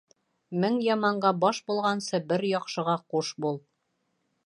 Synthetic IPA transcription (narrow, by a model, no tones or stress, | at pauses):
mɘŋjɒmɑɴɢɑbɒʃbulˠʁɑnsɤbɘɾjɒqʃɤ̆ʁɑquʃbulˠ